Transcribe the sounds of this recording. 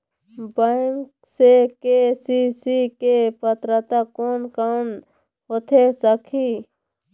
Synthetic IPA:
bəŋk | sekesisikepət̪ɾət̪akoːnkan | ɦot̪ʰesəkʰi

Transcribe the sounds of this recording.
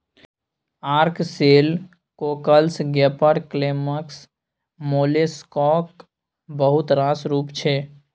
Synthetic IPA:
aɾkseːl | kokəlsɡepəɽkleməks | moːleskɔk | bəɦut̪ɾãsɾuːpt͡ʃʰe

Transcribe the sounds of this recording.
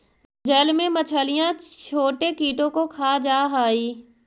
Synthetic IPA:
d͡ʒəlmẽmət͡ʃʰəːlɪjãt͡ʃʰoːʈekiːʈõkokʰaːd͡ʒaːɦaːiː

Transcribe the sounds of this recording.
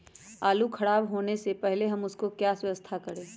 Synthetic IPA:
aːlukʰɐɽaːbɦoːnesepɛɦleɦɐmʊskokjaswəəst̪ʰakɐɾẽː

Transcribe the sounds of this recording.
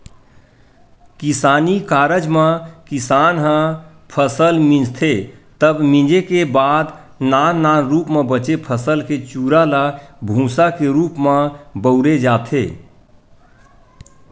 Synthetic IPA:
kisanikaɾəd͡ʒmẽkisanɦə̃ | pʰəsəlmĩd͡ʒt̪ʰet̪əbmĩd͡ʒekebad̪ | nannːanɾupmebət͡ʃepʰəsəlket͡ʃuɾalabʱũsakeɾupmẽbəʊɾed͡ʒat̪ʰḛ

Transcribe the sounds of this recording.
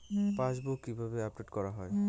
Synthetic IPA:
pãsbukːibʱabeap̚ɖeʈkɔɹaɦɔj

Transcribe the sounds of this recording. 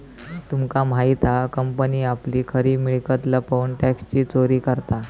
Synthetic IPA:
t̪umkam̤ait̪ʰakəmpəniːapliːkʰəɾiːmiɭkət̪ləpəunʈækst͡ɕiːt͡soɾiːkəɾt̪a

